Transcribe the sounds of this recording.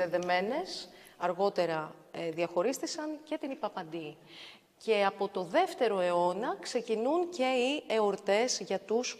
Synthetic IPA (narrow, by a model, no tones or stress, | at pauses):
eðe̞me̞ne̞s | ɐɾɣo̞t̪e̞ɾɐ | ðiɐxo̞ɾist̪isɐnce̞t̪inipɐpɐnd̪i | ce̞ɐpo̞t̪o̞ðe̞ft̪e̞ɾo̞e̞o̞nɐkse̞cinunce̞iːoɾt̪e̞zʝɐt̪us